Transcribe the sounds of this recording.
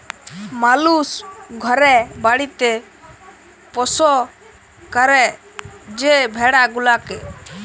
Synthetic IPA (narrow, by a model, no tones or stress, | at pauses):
malusɡʱɔɾɛbaɽit̪ɛ | pɔsɔ | kəɾɛ | d͡ʒɛbʱɛɽaɡulakɛ